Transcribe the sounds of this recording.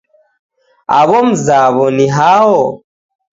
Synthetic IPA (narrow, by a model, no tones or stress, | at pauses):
a̰βɔm̩zaβɔniɦawɔ